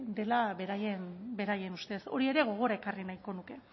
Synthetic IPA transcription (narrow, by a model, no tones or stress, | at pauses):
d̪e̞laβeɾajenbe̞ɾaje̞nust̪e̞so̞̰ɾie̞ɾe̞ɣ̞o̞ɣ̞o̞ɾae̞karinajko̞nuke̞